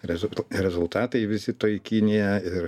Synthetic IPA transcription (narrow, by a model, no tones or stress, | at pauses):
ɾʲɛzʊɾʲɛzʊlˠt̪ɑːt̪ɐɪʋʲɪsʲɪt̪oɪkʲiːnʲijɛɪɾ